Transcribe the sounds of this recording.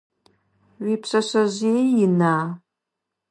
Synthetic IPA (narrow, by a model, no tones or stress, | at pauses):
ɥʷiːpɕʼɐɕɐʑeːjɪnaː